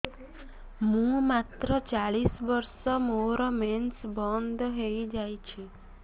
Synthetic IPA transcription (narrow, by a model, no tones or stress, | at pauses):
mũmat̪ɾɔt͡ʃaɭisbɔɾsɔmoɾɔmensbɔnd̪ʱɦejd͡ʒajt͡ʃʰi